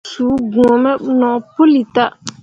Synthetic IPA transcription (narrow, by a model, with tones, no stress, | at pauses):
suː˨˦bũ˨ɔ˨mə˦nɔ˨po˦li˨ta˦ʔ